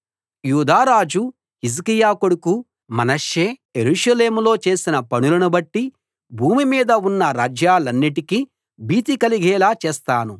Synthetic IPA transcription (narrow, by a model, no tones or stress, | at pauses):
juːd̪aːɾaːd͡ʒu | his̬kijaːkoɽuku | mɐnɐʃːe̞ːjeɾuʂɐle̞ːmulo̞ːt͡ʃe̞ːsinɐpɐɳulɐnubɐʈːi | bʱuːmimiːd̪ɐunːɐɾaːd͡ʒjaːlɐnːiʈiki | biːt̪̬ikɐliɡɛːlaːt͡ʃeːst̪aːnu